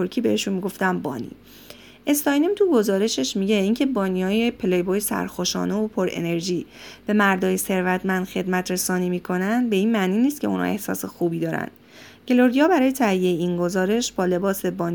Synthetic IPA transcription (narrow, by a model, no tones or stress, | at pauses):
oɾcʰiːbe̞heʃunmiɡoft̪æmbɒ̰ːnḭː | ʔe̞st̪ɒjnemt̪ʰuɡo̞zɒːɾe̞ʃe̞ʃmiɟe̞iːŋcʰe̞bɒːnijɒːjepʰelejboːjesæ̰ɾxoʃɒ̰ːne̞opʰo̞ɾḛne̞ɾʒiːb̥e̞mæɾd̪ɒːjese̞ɾvæt̪ʰmænd̪̥xe̞d̪mæt̪ʰɾe̞sɒːniːmiːkʰo̞nænd̪̚be̞iːnmæʔniːniːst̪̚cʰʲe̞̰unhɒ̰ʔe̞̰hsɒ̰ːse̞xuːbiːd̪ɒːɾæ̰nd̪̥ | ɟ̥e̞lo̞ɾijɒːbæɾɒːje̞t̪ʰæijejeinɡo̞zɒːɾe̞ʃbɒːle̞bɒːse̞bɒːni